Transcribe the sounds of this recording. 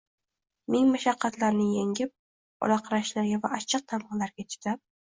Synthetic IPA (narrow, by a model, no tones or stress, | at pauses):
mɪŋmaʃɑqʰːɑt̪laɾnɪjeŋʲɪp̚ | ɒ̰laqʰɑɾaʃlaɾɡʲavaat͡ʃʰːɨq̚t̪ʰamχlaɾɡʲat͡ʃʰɪ̥t̪ap̚